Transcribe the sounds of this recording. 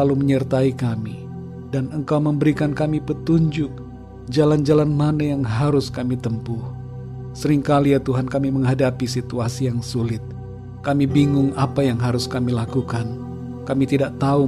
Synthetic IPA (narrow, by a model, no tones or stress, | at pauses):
aluməɲərt̪aikami | danəŋkawməmbəɾikankamipət̪uɲd͡ʒʊk̚ | d͡ʒaland͡ʒalanmanajaŋɦaɾʊskamit̪əmpʊh | səɾɪŋkalijat̪uɦankamiməŋɦadapisit̪uasijaŋsulɪt̪̚ | kamibiŋʊŋapajaŋɦaɾʊskamilakukan | kamit̪idaʔt̪au